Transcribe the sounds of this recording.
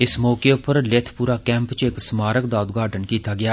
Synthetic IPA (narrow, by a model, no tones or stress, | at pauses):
ɪsmɔːkeʊpːəɾlɪt̪ʰpuːɾaːkɛ̃ːmpt͡ʃɪksmaːɾəkd̪aːʊd̪ɡaːʈənkiːt̪aːɡɪjaː